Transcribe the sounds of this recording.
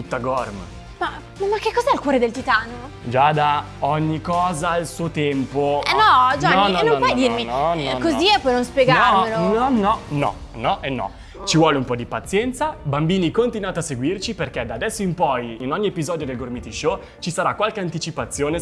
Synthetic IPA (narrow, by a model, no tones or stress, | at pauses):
tut̪ːaɡɔrm | ma | mamakːekːɔzɛilkwɔːɾed̪elt̪it̪aːno | d͡ʒad̪a | ɔɲːikɔːzailsuːot̪ɛmpoɛnɔd͡ʒanɔnɔnõmpɔjd̪irminɔnɔkoziepɔjnõnspjeɡaɔmːelonɔnːɔnɔ̰ | nɔʔenːɔ̰ | t͡ʃivwɔːleumpɔd̪ipat̪sːjɛnt̪sabambiːnikont̪inwaːt̪oaseɡwirt͡ʃiperked̪aːd̪ɛsːoimpɔjinɔɲːiepizɔːd̪jod̪elɡormit̪iʃo | t͡ʃisaɾakwalkeant̪it͡ʃipat̪sːjoːne